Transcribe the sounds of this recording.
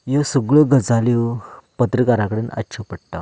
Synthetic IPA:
josuɡɭəɡəd͡zalewpət̪ɾəkaɾãkəɽenʔa̰tːɕʰəpəɽ̚ʈ̪a̰

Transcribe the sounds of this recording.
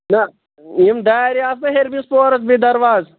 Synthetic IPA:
nɐ | imd̪aːɾiaːs̬meɦeɾbispoːɾɐsbid̪ɐɾʋaːz

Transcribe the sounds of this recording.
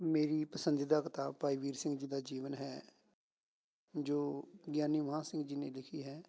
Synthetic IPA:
meːɾiːpəsənd̪iːd̪akət̪aːpaːiːʋiːɾsɪ̃ŋɡd͡ʒiːd̪aːd͡ʒiːʋənɦɛː | d͡ʒoːɡjaːniːʋɦãːsɪ̃ŋɡd͡ʒiːnẽːlɪkʰiːɦɛː

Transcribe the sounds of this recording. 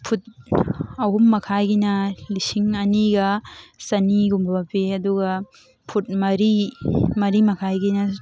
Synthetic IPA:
pʰut̚ | ɐwhumːɐkʰajɡinɐlisiŋɐniɡɐsɐniɡumbɐpeɐduɡɐ | pʰut̚mɐɾimɐɾimɐkʰajɡinɐ

